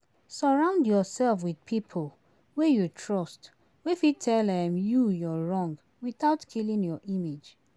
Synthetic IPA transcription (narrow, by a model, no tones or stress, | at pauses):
sɔɹãʊ̃ndjɔsɛlfwidpʰipʰol | wejutʰɹɔst | wefitʰɛlɛ̃mjujɔɹɔ̃ŋɡ | wiθaʊtkʰilĩŋjɔʔimed͡ʒ